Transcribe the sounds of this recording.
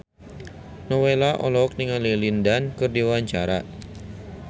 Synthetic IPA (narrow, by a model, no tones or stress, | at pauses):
nɔwelaʔɔ̰lɔk̚niŋalilindankɨrdiwaaɲt͡ʃaɾa̰